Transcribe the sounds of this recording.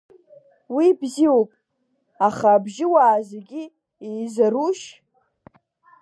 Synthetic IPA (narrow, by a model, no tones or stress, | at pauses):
wibziopʼ | aχaːbʒɪwaːzeɡʲi | ejzaruʃ